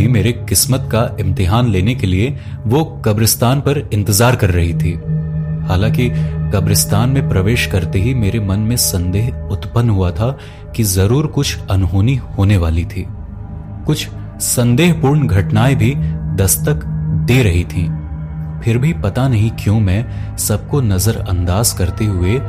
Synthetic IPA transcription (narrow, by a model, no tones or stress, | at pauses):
imeːɾekɪsmət̪kaʔɪ̃mt̪ɪɦaːnleːnekelie | ʋokɐbɾɪst̪aːnpɐɾɪ̃nt̪ɪzaːɾkɐɾːɐɦit̪ʰiːhaːlãːkikɐbɾɪst̪aːnmẽpɾɐʋeːʃkɐɾt̪eɦimeːɾemɐnmẽsɐ̃nd̪eːɦʊt̪pənːɦuat̪ʰa | kizɐɾuːɾkʊt͡ʃʰɐnɦoːnihoːneʋaːlit̪ʰiː | kʊt͡ʃʰ | sɐ̃nd̪eːɦpuːɾɳɡʱɐʈnaːebʱid̪ɐst̪əkd̪eːɾɐɦit̪ʰĩː | pʰɪɾbʱipɐt̪anɐɦĩkjõːmɛ̃ː | sɐb̚konɐzəɾɐ̰̃nd̪aːzkɐɾt̪eɦʊe